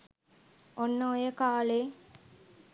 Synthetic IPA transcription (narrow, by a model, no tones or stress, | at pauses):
onːəojəkaːleː